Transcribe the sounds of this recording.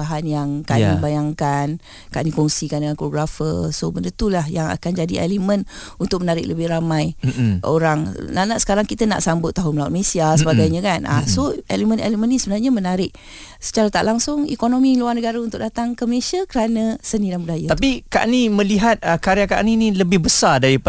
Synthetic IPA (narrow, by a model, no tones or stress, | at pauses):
aɦanjaŋkanibajaŋkan | kaʔnikɔŋsikandəŋankpɾoɡɾafə̰sobəndət̪ulahjaŋa̰kand͡ʒadiḛlimə̃n | unt̪ʊk̚mənaɾɪk̚ləbɪhramãjʔoɾaŋnanaʔsə̥kaɾaŋkit̪əna̰ʔsambʊt̪ːaɦʊnməlaa̰t̪mesiasəbaɡajɲãkana̰soelimə̃nḛlimənːisəbənarɲamənaɾɪʔ | sə̥t͡ʃaɾat̪aʔlaŋsʊŋḭkonomiluarnəɡaɾaunt̪ʊk̚dat̪aŋkəməlesiakəɾanə̃sənĩdanbudajat̪apika̰ʔnimə̃liɦat̪̚əkaɾiaka̰ʔninĩləbɪhbəsadaɾip